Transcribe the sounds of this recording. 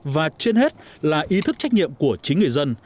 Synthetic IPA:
vaː˨˩t͡ɕi˧ənhe˦˥t̚laː˨˩ʔi˨˦t̪ʰɨ˦˥k̚t͡ɕa˦˥jk̟̚ɲḭ˧˨əmku˧˩ət͡ɕï˨˦ŋ̟ŋɨ˨˩əjzə˧n

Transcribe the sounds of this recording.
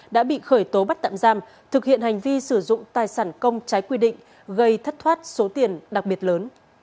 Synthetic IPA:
ɗa̰ː˧˥ɓḭ˧˨xəː˧˩jt̪o˨˦ɓa˦˥t̚t̪a̰ː˧˨mzaː˧m | t̪ʰɨ˨˩k̚hḭ˧˨ənha˨˩jŋ̟vi˧sɨ˧˩zʊ̰˧˨ŋ͡mt̪aː˨˩jsaː˧˩nkə˧wŋ͡mt͡ɕa˨˦jkwi˧ɗḭ̈˧˨ŋ̟ | ɣə˧jt̪ʰə˦˥t̚t̪ʰwaː˦˥t̚so˨˦t̪i˨˩ənɗa˨˩k̚ɓi˨˩ət̚ləː˨˦n

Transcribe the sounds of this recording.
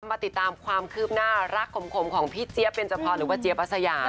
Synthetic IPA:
mːaː˧t̪i˨˩t̪ːaː˧mkʰwaː˧mkʰɯː˥˩p̚naː˥˩ɾa˦˥˩kʰːo˨˩˦mkʰo˧˦mkʰɔː˩˦ŋpʰiː˦˥t͡ɕi˦˥əpe˧nt͡ɕa˧pʰɔː˧nɾɯː˩˦waː˧˩t͡ɕi˧əpa˦˥sa˧jaː˧˩

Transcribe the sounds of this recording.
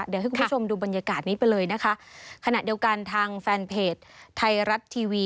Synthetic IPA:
di˨˩˦hkmʰ˦˥t͡ɕʰo˧mduː˧ba˧nja˧kaː˨˩t̪̚niː˦˥pa˧jlɤː˧jna˦˥kʰa˦˥ʔkʰa˧na˨˩ʔdi˧ɐwka˧nt̪ʰaː˧ŋfɛː˧npʰeː˨˩t̪̚ʰːa˧jɾa˦˥t̪ʰːiː˧wiː˧

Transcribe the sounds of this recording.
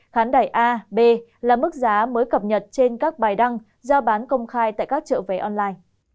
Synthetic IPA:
xaː˨˦nɗaː˨˩jʔaː˧ɓe˧laː˨˩mɨ˦˥k̚zaː˨˦məː˨˦jkə˨˩p̚ɲə˨˩t̚t͡ɕe˧nkaː˦˥k̚ɓaː˨˩jɗa˧ŋ | zɔ˧ɓaː˨˦nkə˧wŋ͡mxaː˧jt̪a̰ː˧˨jkaː˦˥k̚t͡ɕə̰˧˨ve˨˦ʔɔ˧nlaː˧jn

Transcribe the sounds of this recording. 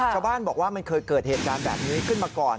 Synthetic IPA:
t͡ɕʰa˧wbaː˥˩nbɔː˨˩k̚waː˥˩ma˧nkʰɤː˧jkɤː˨˩t̪̚heː˨˩t̪̚kaː˧nbɛ̰ː˨˩p̚niː˦˥kʰɯ˥˩nmaː˧kɔː˨˩

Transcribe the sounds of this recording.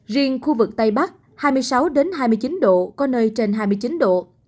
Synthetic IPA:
zi˧əŋxu˧vɨ˨˩k̚t̪a˧jɓa˦˥k̚ | haː˧jmɨ˧jsa˨˦wɗe˨˦nɦaː˧jmɨ˧əjt͡ɕi˨˦nɗo̰˧˨kɔ˨˦nəː˧jt͡ɕe˧nɦaː˧jmɨ˧jt͡ɕi˨˦nɗo̰˧˨

